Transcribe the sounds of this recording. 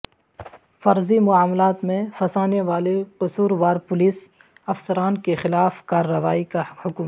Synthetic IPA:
fɐɾzimʊaːmlaːt̪mẽfɐsaːneʋaːleqʊsuːɾʋaːɾpʊliːs | ɐfsəɾaːnkexɪlaːfkaːɾːəʋaːikahʊkm

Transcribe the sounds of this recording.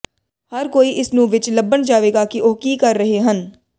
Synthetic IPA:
həɾkoːiːʔɪsnũːʋɪt͡ʃləbːənd͡ʒaːʋeːɡaːkiʔoːkiːkɐɾːəɦeɦən

